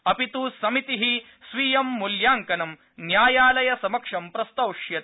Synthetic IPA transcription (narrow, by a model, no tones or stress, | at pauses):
ɐpit̪uːsɐmit̪iɦi | sʋijɐmːuljaːŋkɐnɐm | njaːjaːlɐjɐsɐmɐkʂɐmpɾɐst̪ɐwʂjɐt̪i